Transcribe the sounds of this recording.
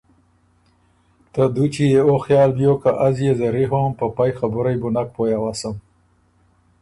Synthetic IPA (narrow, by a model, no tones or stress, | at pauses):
t̪ad̪ut͡ʃijeoxjɑːlbjokaʔazjezaɾiɦoːmpəpajxabʊɾajbʊnak̚pojawasəm